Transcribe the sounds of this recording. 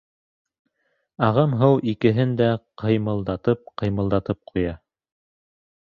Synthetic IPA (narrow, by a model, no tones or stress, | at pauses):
ɑʁɤmɦɤwikɘ̆ɦɘnd̪æqʰɤ̆jmɤ̆lˠd̪ɑt̪ɤp̚qɤ̆jmɤ̆lˠd̪ɑt̪ɤp̚qʰujɑ